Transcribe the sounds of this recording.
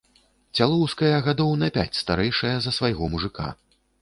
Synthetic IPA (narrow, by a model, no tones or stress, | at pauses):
t͡sʲalˠɔwskɐjɐɣad̪ɔwnɐpʲa̰t͡sʲst̪aɾɛjʂɐjɐzɐsvajɣɔmuʐɨka̰